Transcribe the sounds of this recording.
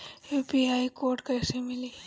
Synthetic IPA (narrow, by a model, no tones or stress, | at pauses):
jupiaːikoːɾʈkəɪsemɪliː